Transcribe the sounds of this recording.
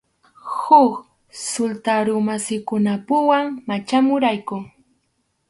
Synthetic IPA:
hʊk | sʊlt̪aɾʊmasɪkʊnapʊwaŋmat͡ʃamʊɾajkʊŋ

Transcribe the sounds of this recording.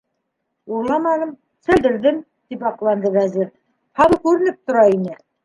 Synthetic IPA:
uɾlˠɑmɑnɤm | sæ̆ld̪ɘ̆ɾðɘm | t̪ipɑqlˠɑnd̪ɤβæziɾ | hɑlˠɤkʉɾɘ̆nɘp̚t̪ŏɾɑinɘ

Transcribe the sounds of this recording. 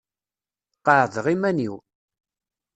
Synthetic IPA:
qəʕðəʁimæniw

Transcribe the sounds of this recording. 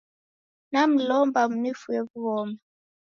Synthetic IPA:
nam̩lɔmbamunifujeβuβɔːma

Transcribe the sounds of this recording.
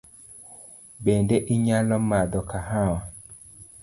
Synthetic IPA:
bendeʔiɲalɔmad̪ɔkaɦawa

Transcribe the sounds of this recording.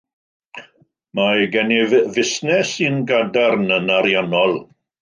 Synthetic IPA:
maɡɛnɪvvɪsnɛsinɡadarnənaɾjanɔlˠ

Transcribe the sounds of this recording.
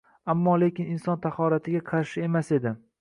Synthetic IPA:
amːɒle̞kʲɪnɪnsɒnt̪ʰaχɒɾat̪ʰɪɡʲaqʰɑɾʃɪe̞mase̞d̪ɪ

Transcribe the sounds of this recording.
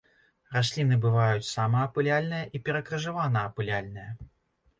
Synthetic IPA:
rasʲlʲin̪ɨbɨvajut͡sʲsamɐːpɨlʲalʲnɨjɐʔipʲɛɾɐkɾɐʐɨvanɐːpɨlʲalʲnɨjɐ

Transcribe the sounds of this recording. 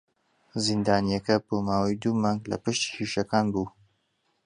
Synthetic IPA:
zind̪aːnijɐkɐb̥oːmaːwɐjd̪uːmɑːŋɡlɐ̰pɨʃt̪i̥hiʃɐkaːnbuː

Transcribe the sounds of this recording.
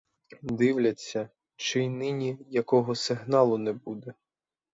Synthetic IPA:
d̪ɪwlʲɐt͡sʲːɐ | t͡ʃɪjnɪnʲijɐkɔɦɔsɪɦnɑlˠʊnɛbud̪ɛ

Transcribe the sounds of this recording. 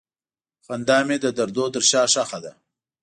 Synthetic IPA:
xand̪ɑmed̪əd̪aɾd̪od̪əɾʃɑːʂaxad̪a

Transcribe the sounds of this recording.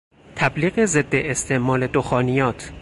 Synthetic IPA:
t̪ʰæbliːɣe̞zed̪ːeʔːst̪ʰe̞ʔmɒːle̞d̪oxɒːnijɒːt̪ʰ

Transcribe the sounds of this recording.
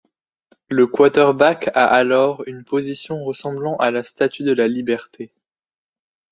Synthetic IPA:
ləkwat̪ɛʁbaka̰ʔalɔʁynpozisjɔ̃ʁəsɑ̃blɑ̃ʔalast̪at̪ʰyd̪əlalibɛʁt̪ʰe

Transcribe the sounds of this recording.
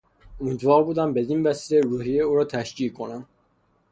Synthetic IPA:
omiːd̪vɒːɾbuːd̪æmbe̞d̪invæsiːleɾuɦijeuːɾɒːt̪ʰæʃciːkʰonæm

